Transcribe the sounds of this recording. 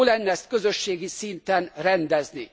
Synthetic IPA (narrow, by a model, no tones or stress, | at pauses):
lɛnːɛɛst̪̚kø̞zøʃːeːɡisint̪ɛnrɛnd̪ɛzni